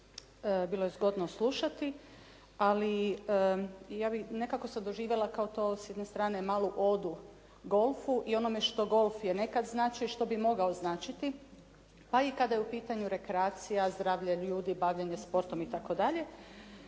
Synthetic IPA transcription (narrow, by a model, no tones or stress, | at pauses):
biːlˠojezɡo̞d̪noslˠuʃat̪i | ali | jaːbine̞kako̞sad̪o̞ʒiːʋjelˠakaot̪o̞ːsjed̪nest̪ɾaːne̞maːlˠuʔo̞d̪u | ɡo̞lˠfuʔio̞no̞meʃt̪o̞ɡo̞lˠfjene̞kad̪znaːt͡ʃioiʃt̪o̞bimo̞ɡaoznaːt͡ʃit̪i | paikad̪ajeupiːt̪aɲuɾe̞kɾeaːt̪sijazd̪ɾaːʋʎaʎuːd̪ibaʋʎaɲespo̞ɾt̪o̞mit̪ako̞d̪aʎe̞